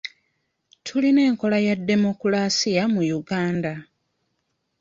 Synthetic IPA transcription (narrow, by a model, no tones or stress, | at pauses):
tʰuline̞ːŋko̞lajadːe̞mo̞kulasijamujuɡaːnda